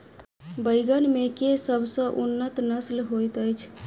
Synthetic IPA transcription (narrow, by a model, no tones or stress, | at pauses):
bəɪɡənmekesəbʱsə̃ʔunːət̪nəslɦojt̪əjt͡ʃʰ